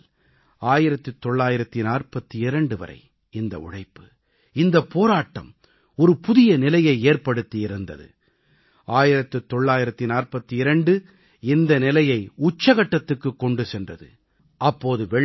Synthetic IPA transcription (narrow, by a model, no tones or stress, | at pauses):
l | aːjɪɾɐt̪ːɯt̪ːɔɭːaːjɪɾɐt̪ːinaːrpɐt̪ːɯɪɾɐɳɖɯʋɐ̰ɾɐ̰ɪ | ɪnd̪ɐ̰ʊ̰ɻɐɪpːɯ̥ | ɪnd̪ɐpːoːɾaːʈːɐ̰m | ɔɾɯpʊðɪjɐnɪlɐjɐɪeːrpɐɽɯt̪ːiɪɾɯnd̪ɐ̰ðɯ̰ | aːjɪɾɐt̪ːɯt̪ːɔɭːaːjɪɾɐt̪ːinaːrpɐt̪ːɯɪɾɐɳɖɯ | ɪnd̪ɐnɪlɐjɐɪʊt͡ʃːɐɣɐʈːɐt̪ːɯkːɯkːɔɳɖɯsɛndrɐðɯ̰ | ɐpːoːðɯʋɛ